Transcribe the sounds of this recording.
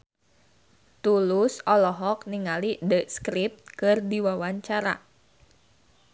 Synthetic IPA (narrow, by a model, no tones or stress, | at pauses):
t̪ulʊsɔlɔɦɔk̚niŋalidəskɾip̚t̪̚kɨrdiwawaɲt͡ʃaɾa̰